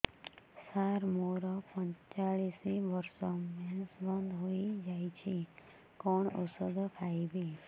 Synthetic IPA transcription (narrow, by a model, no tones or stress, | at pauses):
saɾmoɾɔpəɲt͡ʃaɭisiʋəɾsɔmesbənd̪ʱɦoid͡ʒait͡ʃʰi | kɔɳo̰səɡ̪kʰaibi